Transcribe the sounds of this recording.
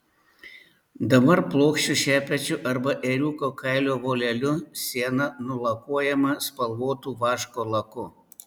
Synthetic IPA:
d̪ɐbɐɾplˠoːkʃʲt͡ʃʲʊʃʲæːpʲɛt͡ʃʲʊʔɐɾbɐʔeːɾʲuːkoːkɐɪlʲoːʋoːlʲɛlʲʊsʲiɛnɐnʊlˠɐkuɔjɛmɐspɐlˠʋoːt̪uːʋɑːʃkoːlˠɐkʊ

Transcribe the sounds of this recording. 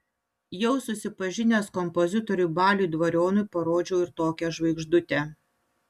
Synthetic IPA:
jɛʊsʊsʲɪpɐʒʲɪnʲeːskɔmpɔzʲɪt̪ɔɾʲʊbɑːlʲuːd̪ʋɐɾʲoːnʊɪpɐɾoːd͡ʒʲɛʊɪɾt̪oːkʲɛʒʋɐɪɡʒd̪ʊt̪ʲe

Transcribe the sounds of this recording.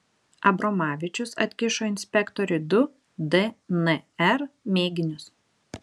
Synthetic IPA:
ɐbɾɔmɑːʋʲɪt͡ʃʲʊsɐ̰t̪ʲkʲɪʃoːɪnʲsʲpʲɛkt̪ɔɾʲʊɪd̪ʊ | d̪ɛnɛɛɾmʲeːɡʲɪnʲʊs

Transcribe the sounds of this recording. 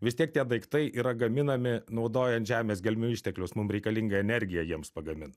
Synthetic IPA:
ʋʲɪst̪iɛk̚t̪ʲiɛd̪ɐɪkt̪ɐɪʔiːɾɐɡɐmʲɪnɐmʲɪnɒʊd̪oːjɛnt̪ʒʲæːmʲeːsɡʲɛlʲmʲuːɪʃʲt̪ʲɛklʲʊsmʊmɾʲɛɪkɐlʲɪŋɡɐɛnʲɛɾʲɡʲɪjɛjiɛmspɐɡɐmʲɪn

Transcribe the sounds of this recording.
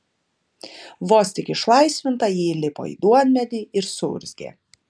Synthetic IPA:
ʋoːsʲt̪ʲɪkʲɪʃlˠɐɪsʲʋʲɪnt̪ɐjiːlʲɪpo̰ːḭːd̪uɔnʲmʲɛd̪ʲiːɪɾsʊ̰ɾʲzʲɡʲḛː

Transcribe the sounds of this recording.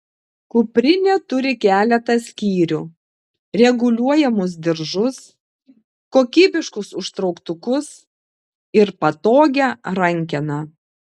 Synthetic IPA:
kʊpʲɾʲɪnʲet̪ʊɾʲɪkʲæːlʲɛt̪ɐsʲkʲiːɾʲu | ɾʲɛɡʊlʲuɔjɛmʊs̬d̪ʲɪɾʒʊs | koːkʲiːbʲɪʃkʊsʊʃt̪ɾɒʊkt̪ʊkʊs | ɪɾpɐt̪oːɡʲɛɾɐŋʲkʲɛnɐ

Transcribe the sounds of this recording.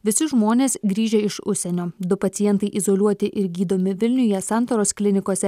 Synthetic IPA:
ʋʲɪsʲɪʒmoːnʲeːsɡɾʲiːʒʲɛɪʃʊʃʲsʲɛnʲoːd̪ʊpɐt̪sʲɪjɛnt̪ɐɪʔɪzoːlʲuɔt̪ʲɪʔɪɾɡʲiːd̪oːmʲɪʋʲɪlʲnʲʊjɛsɑˑnt̪oːɾoːsklʲɪnʲɪkoɔsʲɛ

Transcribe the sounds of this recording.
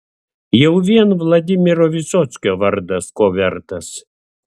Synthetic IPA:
jɛwʋʲiɛnvlˠɐd̪ʲimʲɪɾoʋʲɪsot̪sʲkʲoʋɐɾd̪ɐskobʲɛɾt̪ɐs

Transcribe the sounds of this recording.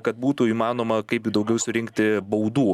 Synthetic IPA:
kɐt̪̚buːt̪uiːmɑːnoːmɐkɐɪpjud̪ɐʊɡʲɛʊsʊɾʲɪŋkt̪ʲɪbɐʊd̪uː

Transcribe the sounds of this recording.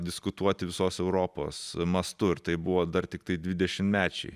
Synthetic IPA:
d̪ʲɪskʊt̪uɔt̪ʲɪʋʲɪsoːsɛʊɾoːpo̰ːsmɐst̪ʊɪɾt̪ɐɪbʊʋoːd̪ɐrt̪ʲɪkt̪ɐɪd̪ʲʋʲɪd̪ʲɛʃʲɪmmʲæːt͡ʃʲɛ̰ɪ

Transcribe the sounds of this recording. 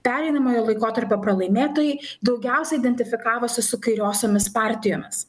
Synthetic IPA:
pʲæːɾʲɛɪnɐmoːjoːlˠɐɪkoːt̪ɐɾʲpʲoːpɾɐlˠɐɪmʲeːt̪oːjɛɪd̪ɒʊɡʲɛˑʊsʲɛɪd̪ʲɛnʲt̪ʲɪfʲɪkɑːʋoːsʲɪsʊkɐɪɾʲoːsʲoːmʲɪspɑˑɾʲt̪ʲɪjoːmʲɪs

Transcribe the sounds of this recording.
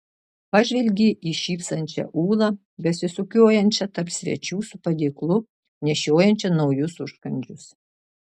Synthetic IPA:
pɑʒʲʋʲɛlʲɡʲiːʔiːʃʲiːpsɐnʲt͡ʃʲɛ̰ʔuːlˠɐ | bʲɛsʲɪsʊkʲoːjɛnʲt͡ʃʲɛt̪ɐɾpsʲʋʲɛ̰t͡ʃʲuːsʊpɐd̪ʲeːklˠʊ | nʲɛʃʲoːjɛnʲt͡ʃʲɛnɒʊjʊsʊʃkɐnʲd͡ʒʲʊs

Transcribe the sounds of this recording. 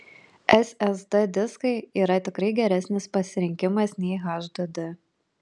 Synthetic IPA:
ɛsʲɛzd̪ɛd̪ʲɪskɐɪiːɾɐt̪ʲɪkɾɐɪɡʲɛɾʲæsʲnʲɪspɐsʲɪɾʲɪŋʲkʲɪmɐsnʲɛɪɣɑʒd̪ɐd̪ʲɪ

